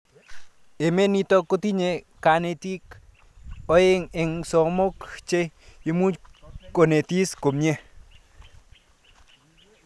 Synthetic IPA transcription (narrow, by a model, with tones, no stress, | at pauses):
e˨me˦ni˦tɔ˦ko˦ti˦ɲe˨ka˨ne˨ti˦k | ɔ˦e˦ŋe˨ŋsɔ˨mo˦kt͡ʃe˦i˦mu˦ko˨ne˨ti˦sko˨mɲe˦